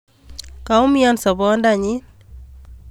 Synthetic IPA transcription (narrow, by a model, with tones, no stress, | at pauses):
ka˨ʊ˦mɪɔ˦nsɔ˨bɔ˦nda˨ɲɪ˦n